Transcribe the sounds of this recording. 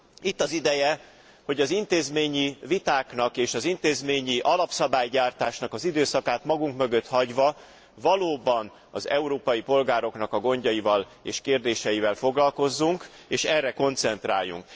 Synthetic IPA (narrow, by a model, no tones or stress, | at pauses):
it̪ːɒzid̪ɛjɛ | ho̞ɟɒzint̪eːzmeːɲivit̪aːknɒkeːʃɒzint̪eːzmeːɲiʔɒlɒpsɒbaːjɟaːrt̪aːʃnɒkɒzid̪øːsɒkaːt̪mɒɡuŋkmøɡø̞t̪hɒɟvɒ | vɒloːbɒn | ɒzɛ̰uɾoːpɒjipo̞lɡaːɾo̞knɒkɒɡo̞ɲɟɒjivɒl | ḛːʃkeːrd̪eːʃɛjivɛlfo̞ɡlɒlko̞zːuŋk | eːʃɛrːɛko̞nt̪sɛnt̪ra̰ːjːṵŋk